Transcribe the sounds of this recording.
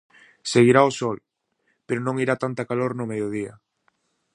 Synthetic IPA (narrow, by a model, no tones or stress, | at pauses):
seɣiɾaosɔl | peɾʊnõŋiɾat̪ant̪akaloɾnʊmejoð̞ia̰